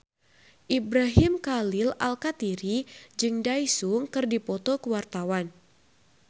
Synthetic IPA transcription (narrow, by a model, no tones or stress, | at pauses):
ʔibɾaɦimkalɪla̰lkat̪iɾid͡ʒɨŋdajsuŋkɨrdipɔt̪ɔkəwart̪awan